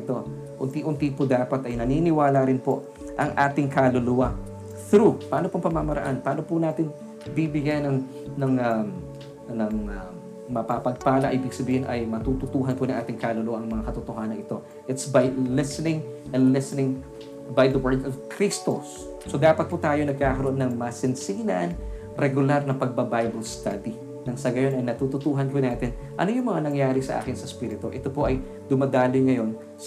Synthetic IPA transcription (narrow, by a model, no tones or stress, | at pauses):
ɪt̪o̞ | ʔʊnt̪iʔʊnt̪ipʊd̪aːpɐt̪ɐjnɐninɪwaːlɐɾɪnpoʔ | ʔɐŋʔaːt̪ɪŋkaːloluːɐ | θɾupaːno̞poɐŋpɐmamɐɾɐ̰ʔanpaːno̞pʊnaːt̪ɪn | bibɪɡjajnɐŋ | nɐŋɐm | nɐŋɐ | mɐpapɐɡ̚paːlɐʔibɪɡ̚sɐbiːhɪnʔɐjmɐt̪ut̪ʊt̪uːɦɐnponɐŋʔaːt̪ɪŋkaːloluːɐʔɐŋmɐŋakɐt̪ʊt̪oɦaːnɐŋɪt̪o̞ | ʔɪt̪sbɐjlɪsɛnɪŋ | ʔɛnlɪsɛnɪŋ | bɐjd̪ɐwɛɹd̪ɔvkɾist̪osː | o̞d̪aːpɐt̪̚put̪aːjo̞nɐɡ̚kaːkɐɾoonːɐŋmɐsɪnsiːnɐ̰n | ɾɛɡʊlaɾnɐŋpɐɡ̚bɐbajbɐlst̪ad̪i | nɐŋsɐɡɐjo̞nɐjnɐt̪uːt̪ʊt̪uːɦɐnpʊnaːt̪ɪn | ʔɐnojʊŋmɐŋanɐŋjaːɾɪsɐʔa̰ːkɪnsɐspiːɾɪt̪uʔɛt̪o̞po̞ʔɐj | d̪ʊmad̪aːlɪŋɐjo̞n | sɐ